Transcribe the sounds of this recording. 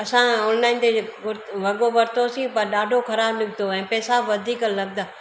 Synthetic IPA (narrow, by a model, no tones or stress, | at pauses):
ɐsãɔːnlaːɪnt̪eʊɾʋɐɠoʋɐɾt̪osĩpɐɾɗaːɖʱokɐɾaːbnɪɡʱd̪oɛ̃ːpɛːsaʋɐd̪ʱiːkəlɐɡ̚d̪aː